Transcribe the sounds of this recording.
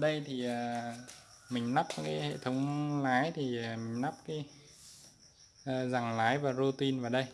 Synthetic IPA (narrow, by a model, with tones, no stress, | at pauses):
ɗə˧jt̪ʰi˨˩ʔəː˨˩ | mï˨˩ŋ̟na˦˥p̚kaː˨˦jɦhḛ˧˨t̪ʰə˨˦wŋ͡mlaː˨˦jt̪ʰi˨˩ə˨˩mï˨˩ŋ̟na˦˥p̚kaː˨˦j | əː˨˩za˨˩ŋlaː˨˦jvaː˨˩zo˧t̪i˧nvaː˨˩ɗə˧j